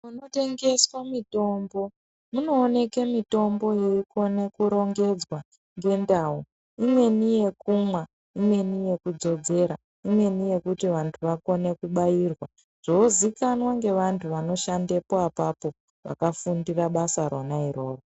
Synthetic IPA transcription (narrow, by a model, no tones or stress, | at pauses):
munote̞ŋɡe̞swamito̞mbo̞ | muno̞ːne̞kemito̞mbo̞jeiko̞nekuɾo̞ŋɡe̞d͡zwa | ŋɡe̞ndau | imwe̞nije̞kumwa | imwe̞nije̞kud͡zo̞d͡ze̞ɾa | imwe̞nije̞kutiʋantʰuʋako̞ne̞kuɓajirwa | ʐ̥ozikanwaŋɡe̞ʋantʰuʋano̞ʃande̞poapapo̞ | ʋa̰kafundiraɓasaɾonaiɾo̞ːro